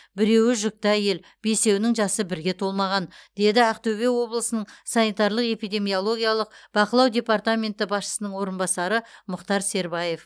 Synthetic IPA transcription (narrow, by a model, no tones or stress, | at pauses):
bɪɾe̞wɪʒʏk̚t̪ɪæje̞l | b̥e̞se̞wnɪŋʒɑsəbɪɾɡʲe̞t̪ʰo̞lˠmɑʁɑnd̪e̞d̪ɪæqt̪ɵbe̞wo̞blˠəsənəɴsɑnijt̪ɑɾlˠəqe̞pijd̪ʲe̞mijo̞lˠo̞ɡʲijalˠəq̚b̥ɑqəlˠɑwd̪ʲe̞part̪amʲe̞nt̪ɪbɑsʃə̥sənəɴwo̞ɾənbɑsɑɾəmʊqt̪ɑɾse̞ɾbɑje̞f